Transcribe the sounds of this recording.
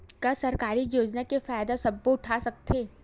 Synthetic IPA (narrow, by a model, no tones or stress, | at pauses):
kɐsɐɾkaːɾijoːd͡ʒnakefaːjd̪asɐb̚ːoʊʈʰasɐk̚t̪ʰeː